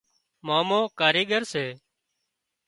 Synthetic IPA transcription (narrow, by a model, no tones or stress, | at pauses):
maːmõːkaːɾeːɠəɾseː